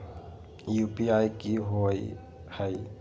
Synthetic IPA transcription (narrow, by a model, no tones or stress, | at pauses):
jupiajkiɦoj | haj